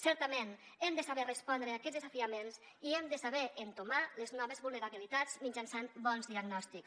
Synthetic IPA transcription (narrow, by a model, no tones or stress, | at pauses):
sɛɾt̪əmenɛmd̪əsaβɛrespɔnd̪ɾeakɛzðezafiamenz | iɛmd̪əsaβɛʔent̪omaleznɔβ̞əzβulˠneɾaβilit̪azmid͡ʒansanbɔnzðiaɡnɔst̪iks